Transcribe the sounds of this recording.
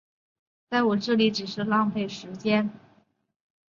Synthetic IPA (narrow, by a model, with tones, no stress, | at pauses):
t͡sa˥˩ɪwɔ˨˩ʈ͡ʂɤ˥˩li˧˥ʈ͡ʂɻ̩˨˩ʂɻ̩˥˧lɑ˥˧ŋpe˥˩ɪʂɻ̩˧˥t͡ɕjɛ˥n